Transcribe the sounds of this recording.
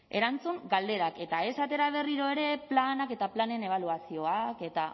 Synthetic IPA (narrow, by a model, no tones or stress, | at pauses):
e̞̰ɾant͡suŋɡald̪e̞ɾake̞t̪ae̞sat̪e̞ɾaβ̞e̞riɾo̞e̞ɾe̞planake̞t̪aplanene̞β̞aluasio̞ake̞t̪a